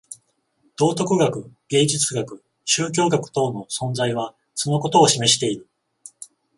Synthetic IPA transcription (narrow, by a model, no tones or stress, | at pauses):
d̪̥o̞ːt̪o̞kɯ̟ɡakɯ̟ɡ̥e̞ːd͡ʑit͡sɨɡakɯ̟ | ɕɨːk̬ʲo̞ːɡakɯ̟̥t̪o̞ːno̞sõ̞nd͡zaiβ̞a | so̞no̞ko̞t̪o̞ːɕime̞ɕi̥t̪e̞iɾɯ̟